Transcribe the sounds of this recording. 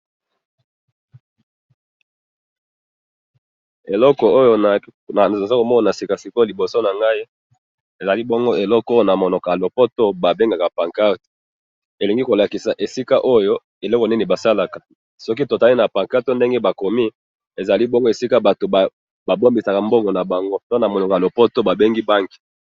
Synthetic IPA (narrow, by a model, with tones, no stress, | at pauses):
e˨lɔ˦kɔ˨o˦jo˦n˨a˨za˦ko˨mɔ˦na˨na˨si˨ka˨si˨ko˦li˨bo˨so˦na˨ŋɡa˦i˦ | e˨za˨li˦bo˦ŋɡo˦e˨lɔ˦ko˦jo˦na˨mo˨nɔ˨ka˨lo˨po˦to˦ba˨be˦ŋɡa˨ka˨pa˨ŋka˦ʁto̥˨ | e˨li˨ŋɡi˦ko˨la˨ki˨sa˨ʔe˨si˦ka˦ʔo˦jo˦ | e˨lɔ˦kɔ˨ni˦ni˨ba˨sa˦la˨ka˨ | sɔ˦ki˦to˨ta˨li˦na˨pa˨ŋka˦ʁto˦nde˦ŋɡe˦ba˨ko˨mi˦ | e˨za˨li˦bɔ˦ŋɡo˦e˨si˦ka˦ba˨to˨ba˨ | ba˨bo˦mbi˨sa˨ka˨mbo˦ŋɡo˨na˨ba˨ŋɡo˦do˦na˨mo˨no˨ka˨lo˨po˦to˦ba˨be˦ŋɡi˦ba˦ŋɡi̥˨